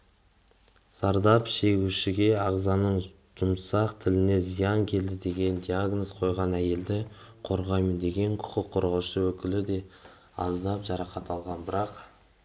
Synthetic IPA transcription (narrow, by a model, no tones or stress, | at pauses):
sɑɾd̪ɑpʃe̞ɡʲuʃɪɡʲe̞ɑʁzɑnəɴ | ʒ̥ʊmsɑqt̪ʰɪlɪne̞zijɑŋkʲʰe̞ld̪ɪd̪e̞ɡʲe̞nd̪ijaɡnozqʰo̞jʁɑnæje̞ld̪ɪqʰo̞ɾʁɑjmənd̪e̞ɡʲe̞ŋqʰʊ̥qʰəqʰːo̞ɾʁɑwʃəwɵkʲɪlɪd̪e̞ | ɑ̰zd̪ɑpʒɑɾɑqɑt̪ɑlˠʁɑnbɪɾɑq